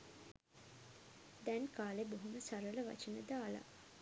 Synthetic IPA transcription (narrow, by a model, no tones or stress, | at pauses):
d̪ɛnkaːleboɦuməsaɾələʋa̰t͡ʃənəd̪aːla̰